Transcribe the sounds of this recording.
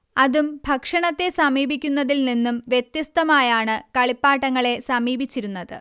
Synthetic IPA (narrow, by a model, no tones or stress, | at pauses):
ɐðumbʱɐkʂɐɳɐt̪ːe̞sɐmiːbʱikʲːunːɐðilninːumʋjet̪jɐst̪ɐmaːjaːɳɨkɐɭipːaːʈːɐŋːɐɭe̞sɐmiːbʱit͡ɕːiɾunːɐðɨ